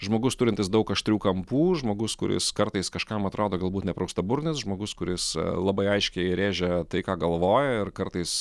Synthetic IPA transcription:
ʒmoːɡʊst̪ʊɾʲɪnʲt̪ʲɪsd̪ɐʊkɐʃʲt̪ʲɾʲuːkɐmpuːʒmoːɡʊskʊɾʲɪ̰skɐɾt̪ɐɪskɐʃkɐmɐt̪ɾʔoːd̪oːɡɐlˠbuːt̪nʲɛpɾɐʊst̪ɐbʊɾʲnʲɪsʒmoːɡʊskʊɾʲɪslˠɑbɐɪɐɪʃʲkʲɛɪɾʲeːʒʲɛt̪ɐɪkɑːɡɐlˠʋoːjɛɪrkɐɾt̪ɐɪs

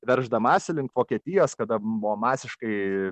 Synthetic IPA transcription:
ʋʲɛɾʒd̪ɐmɑːsʲɪlʲɪŋktʋoːkʲiɛt̪ʲɪjoːskɐd̪ɐbʊʋomɑːsʲɪʃkɐɪ

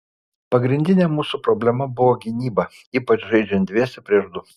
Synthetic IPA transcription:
pɐɡɾʲɪnʲd̪ʲɪnʲɛmuːsupɾɔbʲlʲɛmɐbʊʋoːɡʲɪnʲiːbɐ | iːpɐt͡ʃʒɐɪd͡ʒʲɛnd̪ʲʋʲiɛsʲɛpʲɾʲiɛʒd̪ʊ

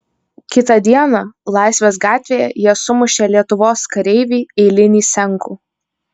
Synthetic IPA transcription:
kʲɪt̪ɐd̪ʲiɛnɐlˠɑˑɪsʲʋʲeːs̬ɡɑːt̪ʲʋʲeːjɛjiɛsʊmʊʃʲeːlʲiɛt̪ʊʋoːskɐɾʲɛɪʋʲiːɛɪlʲɪnʲiːsʲɛŋˑkuː

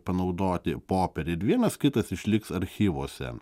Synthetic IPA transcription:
pɐnɐʊd̪oːt̪ʲɪpoːpʲɛɾʲɛɪɾʋʲiɛnɐskʲɪt̪ɐsɪʃʲlʲɪksɐɾʲxʲiːʋoːsʲɛ̰

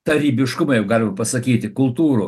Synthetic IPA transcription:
t̪ɐɾʲiːbʲɪʃkʊmɐjɛʊɡɑːlʲɪmɐpɐsɐkʲiːt̪ʲɪkʊlˠt̪uːɾʊ

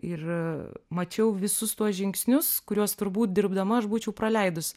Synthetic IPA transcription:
ɪrmɐt͡ʃʲɛʊʋʲɪsʊst̪uɔsʒʲɪŋksʲnʲʊskʊɾʲuɔst̪ʊɾbuːt̪̚d̪ʲɪɾbd̪ɐmɐɐʃbuːt͡ʃʲɛʊpɾɐlʲɛɪd̪ʊs

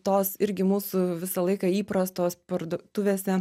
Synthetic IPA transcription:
t̪oːsɪɾʲɡʲɪmuːsʊʋʲɪsɐlˠɐɪkɑiːpɾɐst̪oːspɐɾd̪uɔt̪ʊʋʲeːsʲɛ

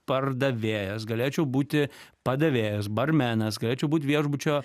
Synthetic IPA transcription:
pɐrd̪ɐʋʲeːjɛsɡɐlʲeːt͡ʃʲɛʊbuːt̪ʲɪpɐd̪ɐʋʲeːjɛs̬bɐrʲmʲæːnɐsɡɐlʲeːt͡ʃʲɛʊbuːt̪ʲʋʲiɛʒbʊt͡ʃʲoː

